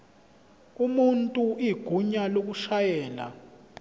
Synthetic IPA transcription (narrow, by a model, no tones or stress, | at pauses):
umuntʼuiɡ̥ʱuɲalok̬uʃajɛːla̰